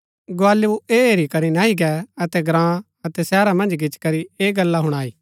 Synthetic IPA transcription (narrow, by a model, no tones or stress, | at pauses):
ɡʊaːleoeːeːɾikɐɾinaːɦiɡɛɐt̪ɛɡɾãː | ɐt̪ɛsɛːɾamɐ̃nd͡ʒɡɪt͡ʃkɐɾieːɡɐlːaɦʊɽ̃aːiː